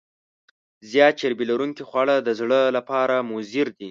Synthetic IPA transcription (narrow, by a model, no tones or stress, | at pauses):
zjɑt̪̚t͡ʃeɾbilaɾuŋkixwɑɽəd̪əzɽəlapɑɾamʊziɾd̪i